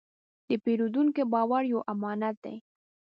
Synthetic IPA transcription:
d̪̥əpeɾod̪uŋkebɑwaɾjawʔamɑnat̪̚d̪a̰j

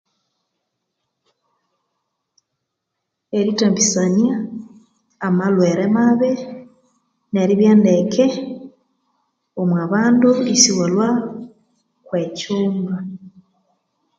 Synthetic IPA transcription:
eɾitambisanjaː | malweɾemaβe | ne̞ɾiβjaːndekʰe | omwaβaːnduisiwolwa | kwecuːmba

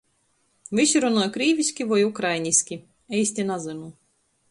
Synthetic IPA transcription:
vʲiʃʲiɾunɔjkɾʲiːvʲisʲkʲivɔjukɾajnʲisʲkʲi | ɛjsʲt̪ʲinazɨnu

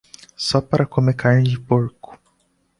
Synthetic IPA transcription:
sɔpaɾɐkomekʰaɾɲd͡ʒɪpoɾkʊ̥

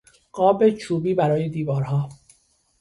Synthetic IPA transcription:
ɢ̥ɒːbe̞t͡ʃʰuːbiːbæɾɒːje̞d̪iːvɒːɾɦɒː

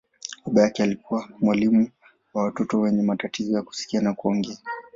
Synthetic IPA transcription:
kuɓajakɛalikuwamwalimu | wawatɔtɔwɛɲɛmatatizɔjaku̥si̥kianakuɔŋɡɛa

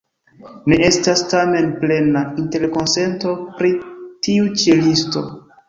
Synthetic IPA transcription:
nee̞stastame̞nple̞nainte̞ɾko̞nse̞nto̞pɾitiut͡ʃilisto̞̰

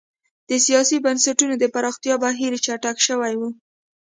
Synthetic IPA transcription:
d̪̥əsijɑsibansaʈunod̪əpaɾɑxt̪jɑbaɦiɾt͡ʃaʈakʃəwajwu

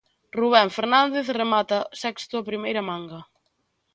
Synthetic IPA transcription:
ruβ̞ɛɱfeɾnãnd̪eθremat̪ɐsɛkst̪ʊapɾimejɾɐmãŋɡɐ

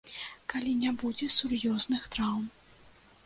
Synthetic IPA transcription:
kalʲinʲɛbud͡zʲɛsurjɔznɨxt̪ɾawm

